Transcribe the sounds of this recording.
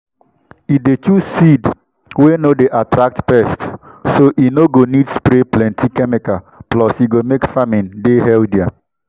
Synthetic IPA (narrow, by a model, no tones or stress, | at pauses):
idetusid | wenodeʔatɾak̚tpɛstsoʔinoɡonidspɾeplɛ̃ntikɛmeka | plɔsiɡomekfamĩndeɦɛldɛa